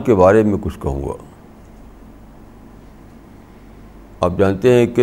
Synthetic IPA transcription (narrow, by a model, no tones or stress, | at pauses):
kebaːɾemẽkʊt͡ʃʰkɐɦṵ̃ːɡa̰ː | aːp̚d͡ʒãːnt̪eɦɛ̃ke